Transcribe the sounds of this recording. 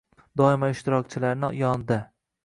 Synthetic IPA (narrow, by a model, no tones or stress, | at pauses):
d̪ɒɪmaɪʃt̪ɪɾɒk̚t͡ʃʰɪlaɾnɪjɒnd̪a